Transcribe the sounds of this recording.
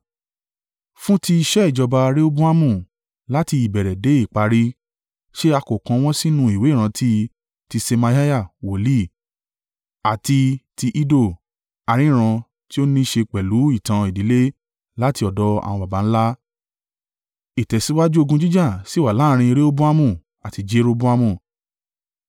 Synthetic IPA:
fũ˦ti˧i˧ʃɛ˦i˦˨d͡ʒɔ˧ba˧ɾe˦o˦bũ˦a˦mũ˦˨ | la˦ti˧i˨bɛ˨ɾɛ˨de˨˦i˦˨k͡pa˧ɾi˦ | ʃe˦a˧ko˨kã˧w̃ɔ̃˦si˦nũ˧˦i˨we˨˦˨ɾ̃ã˧tʰi˦ | ti˧se˧ma˧ja˦ja˦˨wo˨li˦˨ | a˨ti˧ti˧ʔi˦do˦˨ | a˨˧ɾ̃ĩ˨˦˨ɾ̃ã˧ | ti˦o˦nĩ˦ʃe˧k͡pɛ˨lu˨˦i˦˨tã˧i˨di˨˦le˦ | la˦ti˧ɔ˨dɔ˨˦a̰˨w̃ɔ̃˧ba˨ba˨˦ñ̩˦la˦ | i˨tɛ˨si˨˦wa˦d͡ʒu˦o˧ɡũ˧d͡ʒi˦d͡ʒa˦˨si˦˨wa˨la˨˦˧ɾ̃ĩ˧i˧ɾe˦o˦bu˦a˦mũ˦˨ | a˨ti˧d͡ʒe˦ɾo˧bũ˦a˦mũ˦˨

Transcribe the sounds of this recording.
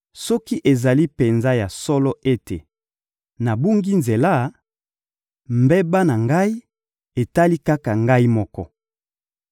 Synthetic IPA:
sɔ˦ki˦ʔe˨za˨li˦pe˨nza˦ja˨sɔ˦lɔ˦ʔe˦te˨ | na˨bu˦ŋɡi˦nze˨la˦ | mbɛ˦ba˦na˨ŋɡa˦i˦ | e˨ta˦li˦ka˦ka˨ŋɡa˦i˦mɔ˦kɔ̰˦

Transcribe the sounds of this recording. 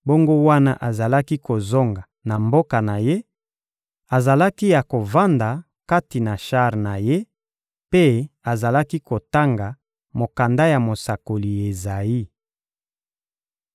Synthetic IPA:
bo˦ŋɡo˦wa˦na˦ʔa˨za˨la˦ki˦ko˨zo˦ŋɡa˨na˨mbo˦ka˨na˨je˦ | a˨za˨la˦ki˦ja˨ko˨va˦nda˨ | ka˦ti˨na˨ʃa˦ʁna˨je˦ | pe˦a˨za˨la˦ki˦ko˨ta˦ŋɡa˨ | mo˨ka˨nda˦ja˨mo˨sa˨ko˨li˨e˨za˨i˦

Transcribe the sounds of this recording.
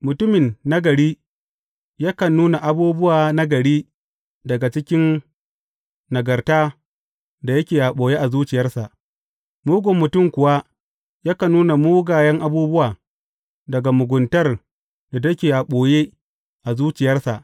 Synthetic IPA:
mʊ˨tʊ˦mɪ˨nːa˦ɡɐ˨ɽiː˦ | ja˦kɐ˨nːuː˦na˨ʔa˨buː˦bʊ˦waː˨na˦ɡɐ˨ɽiː˦ | dɐ˨ɡa˨t͡ʃɪ˦kʲɪ˦n | nɐ˨ɡɐ˨rtaː˦ | da˨jɐ˦kʲeː˨jaː˨ɓoː˨je˦ʔa˨zuː˦t͡ʃɪ˨jɐ˦rsa˨ʔ | muː˦ɡʷʊ˨mːʊ˨tʊ˦˨mkʷʊ˨wa˦ | jaː˦kɐ˨nuː˦na˨muː˦ɡaː˨jɐ˦ŋʔa˦buː˦bʊ˦waː˨ | dɐ˨ɡa˨mʊ˨ɡʷʊ˨ntɐ˦r | da˨tɐ˦kʲeː˨jaː˨ɓoː˨jeː˦ | ʔa˨zuː˦t͡ʃɪ˨jɐ˦rsa˨ʔ

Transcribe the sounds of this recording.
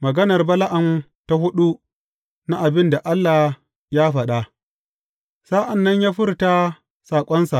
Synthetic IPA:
mɐ˨ɡɐ˦nɐ˨rbɐ˦la˦ʔa˨m | ta˦ɦʊ˦ɗu˦ | na˦ʔa˨bɪ˦nda˨ʔa˦lːaː˨ | jaː˦ɸɐ˨ɗa˦ | saː˦ʔa˨nːɐ˦ɲjaː˦ɸɪ˦rta˦ | saː˨kʷʼɔ˦nsa˨

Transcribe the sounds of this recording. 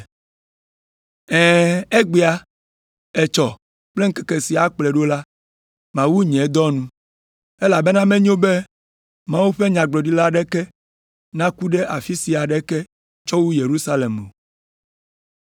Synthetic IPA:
ɛ̃ː˨e˦ɡ͡be˦a˦ | ɛ˨t͡ʃɔ˨ | k͡ple˦ŋ̩˦ke̥˨ke˨si˨a˨k͡plɛ˨ɖo˦la˦ | mã˨wu˦ɲɛ̃˨˦d̪ɔ˦nũ˦ | ɛ˦la˨be˦nã˦mẽ˦ɲõ˦be˦ | mã˦wu˦ɸe˦ɲã˨ɡ͡blɔ˨ɖi˦la˦ɖɛ˦kɛ˦ | nã˦ku˦ɖɛ˦ʔa˨fi˦si˨a˨ɖɛ˦kɛ˦ | t͡ʃɔ˦wu˦je˨ɾu˦sa˦le˨mo̰˨

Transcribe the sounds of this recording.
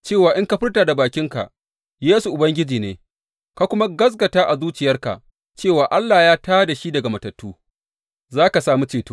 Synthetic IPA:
t͡ʃeː˦˨waː˨ʔɪ˦ŋka˦ɸɪ˦rtaː˨da˨baː˨kʲɪ˦ŋka̰˨ʔ | jeː˦su˨ʔʊ˨bɐ˦ŋɡʲɪ˦d͡ʒiː˨neː˨ | ka˦kʷʊ˦ma˦ɡɐ˦s̬ɡɐ˨taː˦ʔa˨zuː˦t͡ʃɪ˨jɐ˦rka̰˨ʔ | t͡ʃeː˦˨waː˨ʔa˦lːa˨jaː˦taː˦da˨ʃi˦dɐ˨ɡa˨mɐ˨tɐ˨tːuː˦ | zaː˦ka˨saː˦mu˦t͡ʃeː˨toː˦

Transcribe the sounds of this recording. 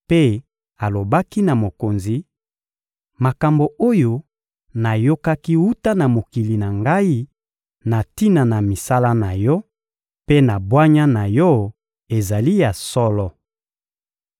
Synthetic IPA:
pe˦ | a˨lo˨ba˦ki˦na˨mo˨ko˨nzi˨ | ma˨ka˨mbo˨ʔo˦jo˦ | na˨jo˦ka˦ki˦wu˦ta˦na˨mo˨ki˨li˨na˨ŋɡa˦i˦ | na˨ti˦na˨na˨mi˨sa˦la˦na˨jɔ˦ | pe˦na˨bwa˦ɲa˦na˨jɔ˦ | e˨za˨li˦ja˨sɔ˦lɔ˦

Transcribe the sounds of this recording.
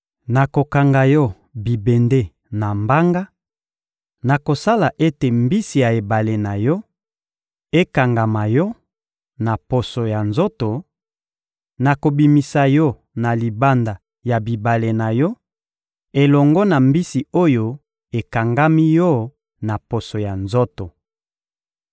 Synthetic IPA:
na˨ko˨ka˨ŋɡa˨jɔ˦ | bi˨be˨nde˦ | na˨mba˦ŋɡa˦ | na˨ko˨sa˦la˨ʔe˦te˨mbi˦si˨ja˨e˨ba˨le˨na˨jɔ˦ | e˦ka˨ŋɡa˨ma˨jɔ˦ | na˨po˨so˨ja˨nzo˦to˨ | na˨ko˨bi˨mi˨sa˨jɔ˦ | na˨li˨ba˦nda˨ | ja˨bi˨ba˨le˨na˨jɔ˦ | e˨lɔ˨ŋɡɔ˦na˨mbi˦si˨o˦jo˦ | e˨ka˨ŋɡa˦mi˦jɔ˦ | na˨po˨so˨ja˨nzo˦to˨

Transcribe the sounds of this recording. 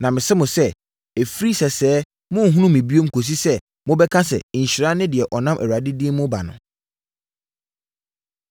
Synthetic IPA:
nã˨mɪ̃˨sɛ˦mʊ̃˨sɛ˦ | e˨fɾi˦sɛ˨sɛː˦ | mʊ̃˦˨ɦũ˦nũ˦mĩ˨bi˦o˦m̩˦kʰo˨s̬i˦sɛ˦ | mʊ̃˦bɛ˦kʰã˦sɛ̰˨ɲ̩˨ɕi˨ɾa˦nɪ̃˦dɪ˨ɛ˨ʔɔ˨nã˦mʔɛ̰˨wa˨dɪ˦di˦ɛ˦mʊ̃˦ba̰˨nʊ̰̃˨

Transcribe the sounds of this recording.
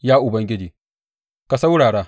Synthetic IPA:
jaː˦ʔʊ˨bɐ˦ŋɡʲɪ˦d͡ʒeː˨ | ka˨sa˦wɽaː˨ɽaː˦

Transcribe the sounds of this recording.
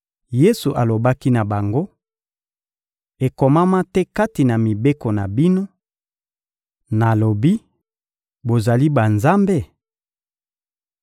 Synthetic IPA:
je˦su˨ʔa˨lo˨ba˦ki˦na˨ba˨ŋɡo˦ | e˨ko˨ma˦ma˦tɛ˦ka˦ti˨na˨mi˨be˦ko˨na˨bi˦no˦ | na˨lo˨bi˦ | bo˨za˨li˦ba˨nza˦mbe˦˨

